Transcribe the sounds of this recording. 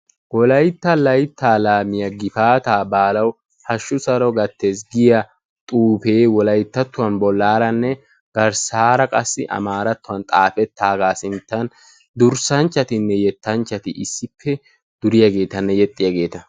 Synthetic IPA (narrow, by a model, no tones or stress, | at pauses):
wɔlɐjt̪ːɐlɐjt̪ːaːlaːmɪjɐɡɪfaːt̪aːbaːlɐw | hɐʃːʊsɐɾɔɡɐt̪ʰːeːs̬ɡɪjɐ | t̪ʼuːfe̞ːwɔlɐjt̪ːɐt̪ːʊwɐnbɔlːaːɾɐnːɛ | ɡ̥ɐɾsaːɾɐkʼɐsːɪ̰ʔɐ̰maːɾɐt̪ːʊwɐnt̪ʼaːfɛt̪ʰːaːɡaːsɪnt̪ːɐn | d̪ʊɾsɐnt͡ʃːɐt̪ɪnːɛjɛt̪ːɐnt͡ʃːɐt̪ɪʔɪsːɪpʰːɛ | d̪̥ʊɾɪjɐɡe̞ːt̪ɐnːɛjɛt̪ʼːɪjaɡe̞ːt̪ɐ